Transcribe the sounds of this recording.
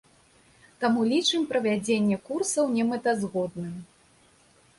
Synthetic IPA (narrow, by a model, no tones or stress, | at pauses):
t̪amulʲit͡ʂɨmʲpɾɐvʲad͡zʲenʲːɛkursɐwnʲɛmɨt̪ɐzɣɔd̪nɨm